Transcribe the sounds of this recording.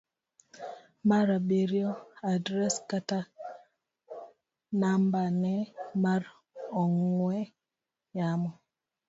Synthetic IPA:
maɾabeɾjoadɾɛskata | nambanɛmaɾ | ɔŋwɛ | jamɔ

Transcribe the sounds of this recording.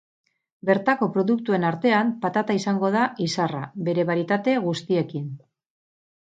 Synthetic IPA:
be̞ɾt̪ako̞pɾo̞ðuk̚t̪ue̞naɾt̪e̞ampat̪at̪aisaŋɡo̞ðaisarabe̞ɾe̞βaɾit̪at̪e̞ɣust̪ie̞kin

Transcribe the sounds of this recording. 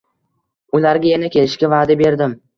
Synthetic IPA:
ʊlaɾɡʲajanakʲʰe̞lɪʃkʲavaːd̪abe̞ɾd̪ɪm

